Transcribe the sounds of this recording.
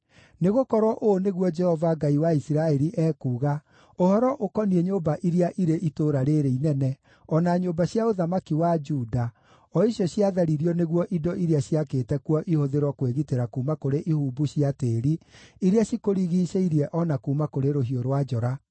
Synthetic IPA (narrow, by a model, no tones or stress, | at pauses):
neɣokɔɾwɔʔoneɣwɔd͡ʒɛhɔvaɡaiwaisiɾaɛɾiʔɛːkuːɣa | ohɔɾɔʔokɔniɛɲoːbaʔiɾeaʔiɾeʔitoːɾaɾeɾeinɛnɛ | ɔnaɲoːbaɕjaoðamakiwad͡ʒuːda | ɔiɕjɔɕiaðaɾiɾiɔneɣwɔʔidɔʔiɾeaɕiakeːtɛkwɔʔihoðeɾwɔkweɣiteɾakuːmakoɾeʔihuːbuɕiateːɾiiɾeaɕikoɾiɣiːʃeiɾiɛʔɔnakuːmakoɾeɾoɦioɾwad͡ʒɔɾa